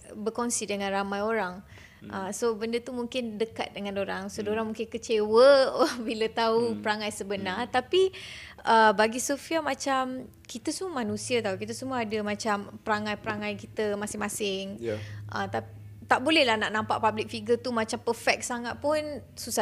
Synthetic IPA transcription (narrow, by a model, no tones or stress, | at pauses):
bəkɔnsidəŋãnramãjoɾaŋ | ʔəsobəndət̪umuŋkɪndəka̰t̪̚dəŋãnoɾaŋsodoɾaŋmuŋkɪnkət͡ʃewəbilət̪aupəɾaŋajsəbənart̪apiʔəbaɡisofiamãt͡ʃam | kit̪əsəmuəmanũsiət̪aukit̪əsəmuəadəmãt͡ʃampəɾaŋãjpəɾaŋãjkit̪əmasɪŋmasɪŋʔə̰t̪a | t̪aʔbolɛhlahnaʔnãmpa̰ʔpablɪk̚fiɡət̪umat͡ʃampəfɛk̚saŋaʔ̪̚pʊn | susa